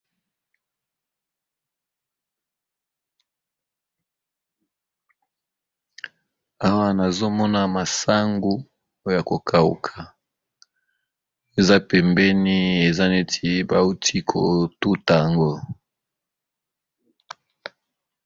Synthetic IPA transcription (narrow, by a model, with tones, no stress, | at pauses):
a˦wa˦na˨zo˦mɔ˦na˦ma˨sa˦ŋɡu˦ | o˦o˦ja˨ko˨kʰa˨ṵ˨kʰa˨ | e˨za˦pɛ˨mbɛ˦ni˦e˨za˦ne˦tʰi˦ba˨u˦tʰi˦kʰo˨tu˦ta˨ja˨ŋɡo˦